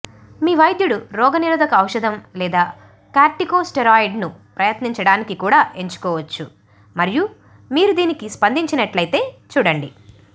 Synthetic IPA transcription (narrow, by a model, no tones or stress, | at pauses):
miːʋɐjd̪juɽuɾɔːɡɐniɾud̪ʱɐkɐːwʃɐd̪ʱɐmlɛːd̪aː | kaːɾʈikoːsʈeɾaːjiɖnupɾɐjɐt̪niɲt͡ʃɐɽaːnikikuːɽaːʔe̞ɲt͡ʃu̥kɔːʋɐt͡ʃːu | mɐɾiju | miːɾud̪iːnikispɐnd̪iɲt͡ʃinɐʈlɐjt̪e̞ːt͡ʃuːɽɐɳɖi